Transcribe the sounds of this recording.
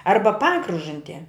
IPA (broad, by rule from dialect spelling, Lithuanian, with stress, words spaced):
ˈɐrbɐ ˈpɑːkrʊʒɐnʲtʲiɛ